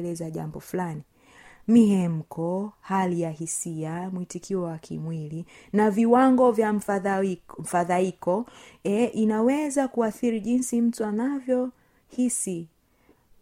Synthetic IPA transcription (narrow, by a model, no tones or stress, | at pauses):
lɛzaʄa̰mbɔflani | miɦɛm̩kɔhalijahisiamwitikʰiɔwakʰḭmwili | naviwaŋɡɔvja | m̩faðaikɔɛʔinawɛzakuaθiɾiʄinsim̩tuanavjɔ | hisi